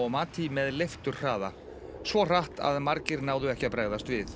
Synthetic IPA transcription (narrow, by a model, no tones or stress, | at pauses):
ɔɣmaːt̪ʰimɛðlejft̪ʏɾ̥r̥aːða | svɔr̥aht̪a̰ðmaɾcɪɾnaːwðʏɛhcɪapɾaːɣðast̪vɪθ